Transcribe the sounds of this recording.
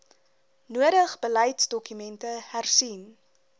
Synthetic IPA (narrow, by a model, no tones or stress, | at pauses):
nuəɾəχbəlɛjtsdɔkymɛntəhærsin